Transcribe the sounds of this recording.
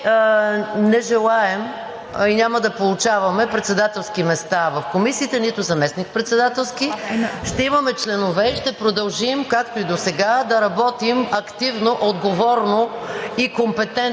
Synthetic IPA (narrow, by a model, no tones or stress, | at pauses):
nɛʒɛlˠaɛm | inʲamɐd̪ɐpolˠʊt͡ʃavɐmɛpɾɛt̪sɛd̪at̪ɛlˠsk̟imɛst̪avɐfkomisiːt̪ɛnit̪ʊzɐmɛsnik̚pɾɛt̪sɛd̪at̪ɛlˠskiʃt̪ɛimɐmɛt͡ʃlɛnovɛiʃt̪ɛpɾod̪ɐlˠʒimkakt̪oid̪osɛɡad̪ɐɾɐbɔt̪imɐkt̪ivnoʔod̪ɡovɔɾnoikompɛt̪ɛn